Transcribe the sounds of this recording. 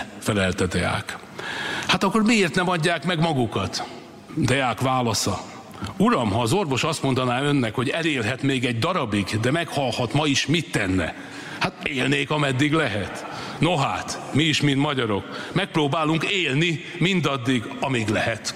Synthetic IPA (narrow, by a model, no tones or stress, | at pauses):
fɛlɛlt̪ɛd̪ɛa̰ːk | hat̪ɒkːormieːrt̪nɛmɒɟːaːkmɛɡmɒɡukɒt̪ | d̪ɛaːkʋaːlɒsɒ | uɾɒmɦɒːzo̞rvo̞ʃɒst̪mo̞nd̪ɒnaːø̞nːɛkho̞ɟɛleːlɦɛt̪meːɡɛɟd̪ɒɾɒbiɡd̪ɛmɛkhɒlhɒt̪mɒiʃmit̪ːɛnːɛ̰ | hat̪eːlneːkɒmɛd̪ːiɡlɛɦɛt̪ | noɦa̰ːt̪miiʃmint̪mɒɟɒɾo̞kmɛk̚proːbaːluŋkeːlni | mind̪ɒd̪ːiɡ | ɒmiːɡlɛɦɛt̪